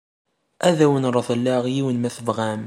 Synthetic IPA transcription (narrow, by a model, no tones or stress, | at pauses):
ʔæðæwənɾˤɑθˤəlːæʁjiwənmæθəvʁæm